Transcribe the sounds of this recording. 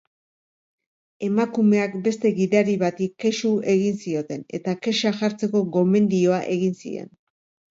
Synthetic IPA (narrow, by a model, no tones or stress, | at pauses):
e̞makume̞akbe̞st̪e̞ɣiɾaɾiβat̪ikːe̞ʃue̞ɣ̞insio̞t̪e̞ne̞t̪ake̞ʃaʝaɾt͡se̞ko̞ɣo̞me̞nd̪io̞aʔe̞ɣinsḭe̞̰n